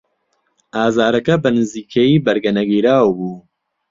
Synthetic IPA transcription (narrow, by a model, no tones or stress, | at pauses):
aːzaːɾɐkɐbɐnɨziːkʰejiːbɐɾɡɐnɐɡiːɾaːwbuː